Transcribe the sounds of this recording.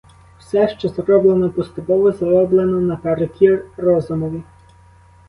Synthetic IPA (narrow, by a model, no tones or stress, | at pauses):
w̥sɛʃt͡ʃɔzrɔblˠenɔpɔst̪ʊpɔʋɔzɐɾɔblˠenɔnɐpɛɾɔkʲiɾɔzʊmɔʋʲi